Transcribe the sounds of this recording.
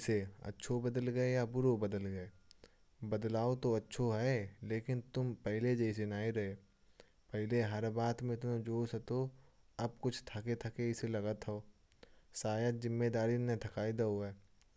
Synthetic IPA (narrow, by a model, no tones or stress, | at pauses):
seɐ̰tːʃʰobəd̪əlɡɐejabʊɾobəd̪əlɡɐeː | bɐd̪laːot̪oɐtːʃʰoɦɛleːkɪnt̪ʊmpɛɦɪled͡ʒɛɪs̬enaːeɾɐɦe | pɛɦɪleɦɐɾbaːt̪mẽt̪ʊmõd͡ʒoːsɐt̪o | ɐb̚kʊt͡ʃʰt̪ʰaket̪ʰakeɪselɐɡət̪ɦoː | saːjət̪zɪmːed̪aːɾinet̪ʰɐkaːɪd̪aɦʊeː